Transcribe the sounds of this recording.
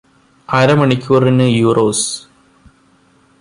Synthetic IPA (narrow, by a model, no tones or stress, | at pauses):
ɐɾɐmɐɳikʲːuɐrinɨjuːrʔoːs